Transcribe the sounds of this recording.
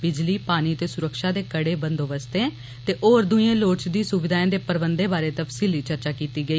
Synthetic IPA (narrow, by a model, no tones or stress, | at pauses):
bɪd͡ʒliːpaːniːət̪eːsʊɾəkʃaːd̪eːkəɽeːbənd̪oːʋəst̪ẽː | t̪eːʔoːɾd̪ʊiẽːloːʈt͡ʃd̪iːsʊʋɪd̪aːẽːd̪eːpəɾbənd̪eːbaːɾeːt̪əpʰsiːliːt͡ʃəɾt͡ʃaːkiːt̪iːɡəiː